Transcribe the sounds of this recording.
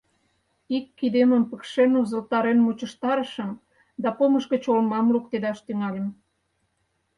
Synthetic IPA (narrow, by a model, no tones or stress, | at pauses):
ikːid̪eməmpəkʃenuzə̆lt̪ɑɾenmut͡ɕə̆ʃt̪ɑɾəʃəm | d̪ɑpoməʃkə̆t͡ɕolmɑmruk̚t̪ed̪ɑʃt̪yŋɑlʲə̆m